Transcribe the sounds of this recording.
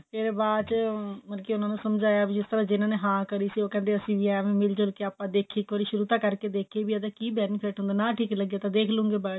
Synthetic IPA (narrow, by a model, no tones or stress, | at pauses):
t̪eːɾeːbaːd̪t͡ʃmənkiʊnãːnũsəmd͡ʒaːjaːbid͡ʒɪst̪əɾaːd͡ʒɪnãːneːɦãːkəɾiːsiːoːkɛ̃ːnd̪eːəsĩːʋiɛːʋẽːmɪld͡ʒəlkeaːpːãːd̪eːkʰːiːkoːɾiːʃʊɾuːt̪ãːkəɾkeːd̪eːkʰeːbiːəd̪aːkiːbɛːniːpʰeːʈɦʊ̃nd̪aːnãːʈʰiːkləɡjaːt̪ãːd̪eːkʰlʊ̃ːŋɡeːbaː